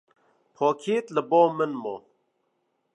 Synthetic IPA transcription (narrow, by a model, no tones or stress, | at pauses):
pʰɔːkʰeːt̪ləbɔːmənmɔː